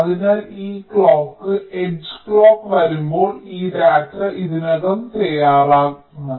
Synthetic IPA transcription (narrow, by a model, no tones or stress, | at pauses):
ɐðinaːliːkɭoːkːɨed͡ʑɨ̥kɭoːkːʋɐɾumbo̞ːɭiːɾaːtrɐʔiðinɐɣɐmt̪ɐjaːraːɣunːu